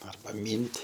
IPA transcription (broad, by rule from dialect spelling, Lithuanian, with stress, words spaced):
ɐrˈbɐ ˈmʲiːnʲtʲ